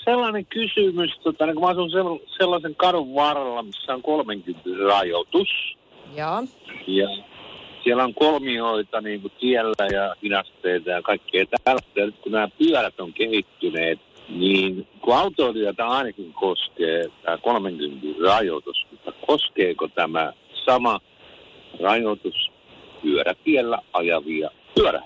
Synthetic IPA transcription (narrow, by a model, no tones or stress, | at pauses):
selːɑneŋkysymyst̪ot̪ɑnikumæɑsunseselːɑseŋkɑɾuʋːɑrɑlːɑmisːæoŋkolmeŋkynt̪irrɑjot̪us | jɑsiælæoŋkolmioit̪ɑniːŋkut̪iælːæjɑhinɑst̪eit̪ɑjɑkɑikːeːt̪ælt̪ːejɑnyt̪kunæːpyælæt̪oŋkehit̪ːyneːt̪niːnkuɑut̪oːlyøt̪æɑinɑkiŋkoskeːt̪æːkolmeŋkynt̪irrɑjo̰t̪usmut̪ːɑkoskeːkot̪æmæ̰sɑmɑ | rɑjot̪us | pyøɾæt̪iɛlːæʔɑjɑʋiɑ | pyæɾæ̰